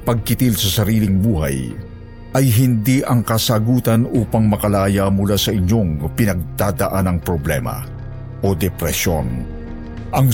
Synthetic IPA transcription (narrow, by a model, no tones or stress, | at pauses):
pɐɡ̚kɪt̪ilsɐsɐɾiːlɪŋbuːɦa̰j | ʔɐjɦɪnd̪iʔɐŋkɐsaːɡuːt̪ɐnuːpɐŋmɐkɐlaːjamʊlasɐʔɪɲːo̞ŋpɪnɐɡ̚d̪aːd̪ɐʔanɐŋpɾoblɛ̰mɐ̰ | ʔo̞d̪ɛpɾɛsjo̞̰n | ʔɐŋ